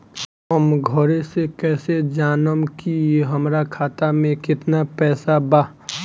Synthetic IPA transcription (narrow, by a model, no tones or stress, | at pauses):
əmɡʱəɾesekɛːsed͡ʒaːnəmkiɦəmɾakʰaːt̪amẽkɪt̪napɛːsabaː